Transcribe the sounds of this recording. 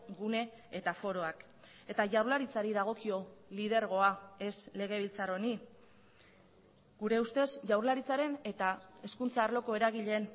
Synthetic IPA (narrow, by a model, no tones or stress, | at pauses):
ɡune̞ | et̪afo̞ɾo̞ak | e̞t̪aʝawɾlaɾit͡saɾiðaɣ̞o̞kio̞lið̞e̞ɾɣo̞ae̞sle̞ɣ̞e̞β̞ilt͡saro̞ni | ɡuɾe̞ust̪e̞sʝawɾlaɾit͡saɾe̞ne̞t̪ae̞skunt͡saːɾlo̞ko̞e̞ɾaɣiʎe̞ːn